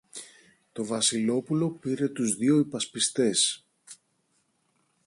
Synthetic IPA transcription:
t̪o̞vɐsilo̞pulo̞piɾe̞t̪uzðio̞ipɐspist̪e̞s

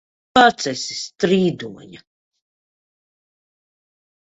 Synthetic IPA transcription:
at̪sɛsi̥st̪ɾiːd̪uɔɲa

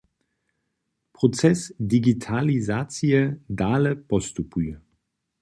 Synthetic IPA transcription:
pʁɔt͡sɛsdiɡitʰalizat͡sijɛdaːlɛpɔst̪upujɛ

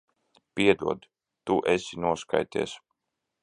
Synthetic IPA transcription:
piɛd̪uɔd̪ | t̪uʔesʲinuɔska̰jt̪ɛ̰ːs

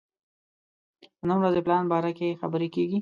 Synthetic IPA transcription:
ənəmɾazeplɑnbɑɾakexabəɾekeɡi

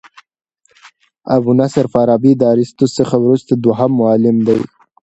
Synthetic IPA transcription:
abunasaɾfaɾɑbid̪aɾɪst̪osəxawɾust̪ad̪waɦamːʊɑlɪmd̪aj

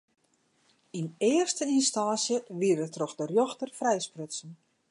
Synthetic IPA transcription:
inɪərstəinstaːsjəʋiəɾətrɔxdərjɔxtərfrɛjsprøtsən

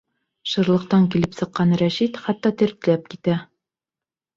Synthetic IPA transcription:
ʃɤ̆ɾlˠɤ̆q̚t̪ɑŋkilɘpsɤ̆qːɑnɾæʃit̪χæt̪ːɑt̪ɘ̆ɾt̪ɘ̆læp̚kit̪æ

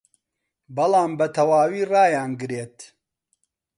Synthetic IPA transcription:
bɐlaːmbɐt̪ʰɐwaːwiːrɑːjaːnɡɨɾeːt̪

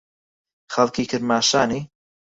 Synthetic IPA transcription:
χalˠkʰiːkʰərmaʃani

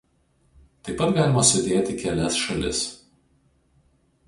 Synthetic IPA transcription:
t̪ɐɪpːɐt̪ɡɑːlʲɪmɐsʊd̪ʲeːt̪ʲɪkʲɛlʲɛsʃɐlʲɪ̰s

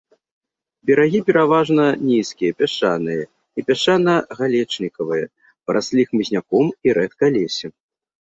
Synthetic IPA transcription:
bʲɛɾaɣʲipʲɛɾavaʐnɐnʲiskʲijɐpʲɛʂanɨjɐ | ipʲaʂanɐɣalʲɛt͡ʂnʲikɐvɨjɐ | pɐɾʔasʲlʲixmɨzʲnʲakɔmiɾɛt̪kɐlʲɛsʲɛ

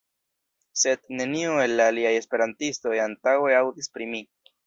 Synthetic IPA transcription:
se̞d̪ne̞nioe̞lːaːliaje̞spe̞ɾantisto̞jantaweawdispɾimi

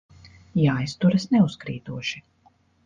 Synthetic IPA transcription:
jaːjst̪uɾɐsnɛuskɾḭːt̪uɔʃi

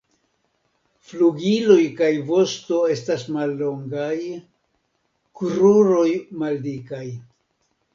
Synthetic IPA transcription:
fluɡilo̞jkajvo̞sto̞e̞stasmalːo̞ŋɡaj | kɾuɾo̞jmaldikaj

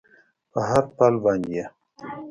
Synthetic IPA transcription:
pəɦaɾpalbaːnd̪ija

